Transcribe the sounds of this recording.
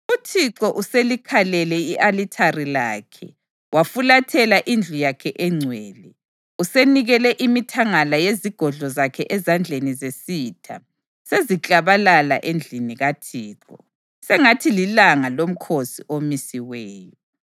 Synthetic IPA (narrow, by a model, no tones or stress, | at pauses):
utʰiǀɔʔuselikʰalɛlɛiʔalitʰarilaːkʰɛ̰ | wafulatʰɛlaʔind͡ɮʱujakʰɛʔɛŋ͡ǀʱwɛːlɛ | useniɣɛlɛʔimitʰaŋalajeziɡ̥ʱɔɮɔzakʰɛʔɛzand͡ɮʱenizesitʰa̰ | sezit͡ɬʼaβalala̰ʔend͡ɮʱiniɣatʰiːǁɔ | sɛŋatʰililaŋalom̩kʰosiʔomisiwɛːjɔ